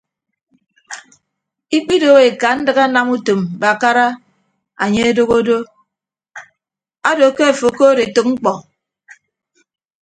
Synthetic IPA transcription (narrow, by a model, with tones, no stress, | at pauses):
i˦k͡pi˦do˦˨ɣe˨ka˨˦n̩˦dɨ˦ɣa˦na˦mu˦to˨mba˨ka˦ɾa˦ | a˨ɲe˦e˦do˦ɣo˦do˦ | a˦do˨ke˦e˨fo˨ko˦ɾe˨tɨ˨k̚ŋ͡m̩˦k͡pɔ˨